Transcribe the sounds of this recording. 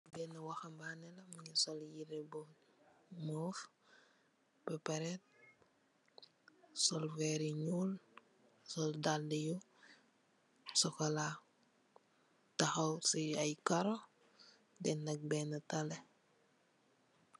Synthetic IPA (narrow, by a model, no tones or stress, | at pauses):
bɛːnɐwɐxɐmbanɛlɐmuɲisɔljiɾɛbɔ | mɔf | pɛpɐɾɛt̚ | sɔlfɛɾiɲuːl | sɔldaldiju | sɔkɐla | tɐxɐwsiɐjkɐɾɔ | dɛnːɐk̚bɛːnɐtɐlɛ